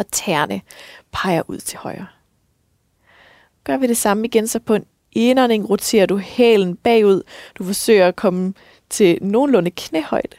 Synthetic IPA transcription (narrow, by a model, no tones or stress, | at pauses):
ɒt͡sʰæɐnəpʰɑ̈ɪɐʔuð̰ˠt͡sʰe̝hɒ̽ɪɐ | ɡ̥ɶɐ̰ʋiɾ̥e̝sɑ̈məiɡ̥ensɒ̽pʰɒ̽e̝n | ʔe̝nɐne̝ŋʁo̝t͡sʰe̝̰ːɐd̥uhɛ̰ːln̩b̥ɛ̰ːuð̞̰ˠd̥ufɒ̽sø̰ːɐækʰɒ̽mə | t͡sʰe̝no̝ːnlɔ̽nəkʰnehɒ̽ɪ̰d̥